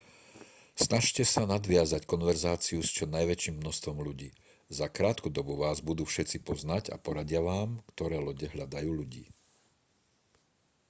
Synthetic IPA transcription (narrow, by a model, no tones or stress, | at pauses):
snaʃcɛsanad̪ʋɪazackɔnʋɛɾzaːt͡siust͡ʃɔnajʋɛt͡ʃiːmːnɔst̪ʋɔmʎuɟḭː | zakɾaːt̪kud̪ɔbuʋaːzbud̪uːfʃɛt͡sipɔznaɟa̰pɔɾaɟɪaʋaːmkt̪ɔɾɛːlɔɟɛɦʎad̪ajuːʎuɟḭː